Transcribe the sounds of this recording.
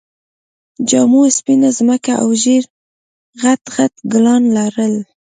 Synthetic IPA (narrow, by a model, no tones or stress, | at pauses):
d͡ʒɑmuspinazməkaʔa̰wʒeɾ | ɣat̪ɣat̪ɡlɑnlaɾəl